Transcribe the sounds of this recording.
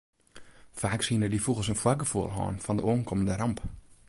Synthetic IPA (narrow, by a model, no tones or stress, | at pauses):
faːksiənədifuɣəlˠsənfwaɡəfuəlˠɦɑ̰ːnfɔndəʔoənkʰoməndəɾɑmp